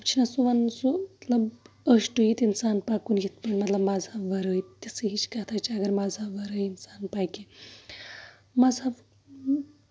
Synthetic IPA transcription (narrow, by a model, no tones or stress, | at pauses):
ɐpt͡ʃʰinasuʋɐnsut̪ləb | əʂʈujit̪insaːnpakuːnjit̪̚pəɳmɐt̪ləbmad͡zʱaʋəɾəjt̪isəɦit͡ʃkat̪ʰajt͡ʃiɐɡəɾmad͡zʱaʋəɾəjinsaːnpajke | mad͡zʱa